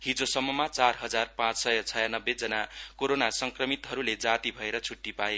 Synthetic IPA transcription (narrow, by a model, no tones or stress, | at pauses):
ɦid͡zosʌmːʌmat͡sarɦʌd͡zarpãt͡ssʌjʌt͡sʰʌjanʌbːed͡zʌnakoɾonasʌŋkrʌmit̪ɦʌɾuled͡zat̪ibʱʌeɾʌt͡sʰuʈːipae